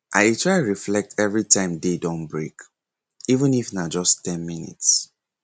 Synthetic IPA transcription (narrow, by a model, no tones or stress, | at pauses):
ʔaɪtʰɹaɪɹiflɛk̚tʰɛvɹitãɪ̃mdedɔ̃nbɹek | ivə̃nifnad͡ʒɔsttɛ̃nminḭts